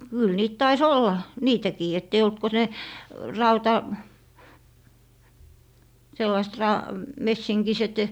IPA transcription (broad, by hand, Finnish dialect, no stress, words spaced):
kyl niːt tɑis olːɑ niːtækiː etː ei olt ko ne rɑutɑ selːɑist rɑ mesːiŋkiset